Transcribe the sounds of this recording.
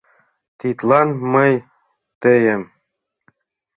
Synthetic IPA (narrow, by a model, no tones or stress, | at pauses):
t̪it̪lˠɑnmɤj | t̪ɘ̆jɘm